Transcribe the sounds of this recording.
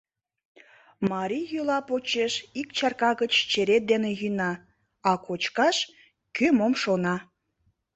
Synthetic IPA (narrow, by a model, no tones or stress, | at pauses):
mɑɾʲijylɑpot͡ɕeʃikt͡ɕɑrkɑɣət͡ɕt͡ɕeɾet̪̚d̪enejynɑ | ɑkot͡ɕkɑʃ | kymomʃonɑ